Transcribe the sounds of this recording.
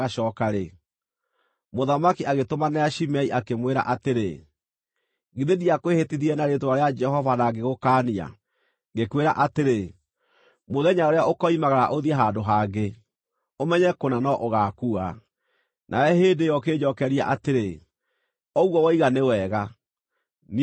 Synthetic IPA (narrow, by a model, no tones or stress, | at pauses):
aʃɔːkaɾe | moðamakiaɣetomanɛaʃimɛiʔakemweɾa̰ʔateɾe | ɡiðeðiakwehetiðiɛnaɾetowaɾead͡ʒɛɦɔvanaɡeɣokaːnia̰ | ɡekweɾaʔateɾe | moðɛɲaoɾeaokɔimaɣaɾa̰ʔoðiɛɦandoɦaɡe | omɛɲɛkonanɔʔoɣakua | nʔa̰ɛɦeːdejɔkeːd͡ʒɔkɛɾia̰ʔateɾe | ɔuɣɔwɔiɣanewɛɣa | n